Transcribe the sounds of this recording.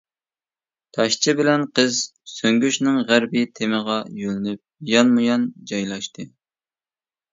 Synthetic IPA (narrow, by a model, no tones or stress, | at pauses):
t̪ʰɑʃt͡ʃʰɪbɪlɛnqʰəzsøŋɡʲyʃnɨŋʁæɾbɪt̪ʰeməʁɑjølnyp̚jɑnmujɑnd͡ʒɑjlˠɑʃt̪ɨ